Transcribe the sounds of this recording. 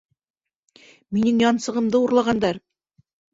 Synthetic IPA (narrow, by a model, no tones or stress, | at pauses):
minɘŋjɑnsɤ̆ʁɤ̆md̪ɤuɾlˠɑʁɑnd̪ɑɾ